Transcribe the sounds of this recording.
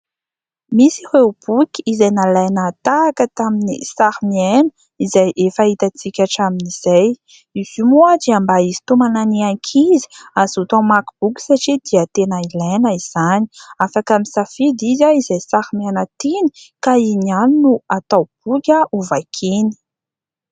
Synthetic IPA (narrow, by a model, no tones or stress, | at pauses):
misireub̥ukʲizajnalajnat̪akət̪aminḭsaɾimienə | izajʔefait̪at͡sikʲaʈ͡ʂaminiz̥aj | iz̥umuad͡ʒiambaizi̥t̪umananiakʰizi̥azut̪amakub̥ukʲi̥saʈ͡ʂid̪iat̪enailanəiz̥ani̥afakamisafid̪izaizajsaɾimianət̪ini̥kainianinuat̪awb̥ukʲəuvakʰini̥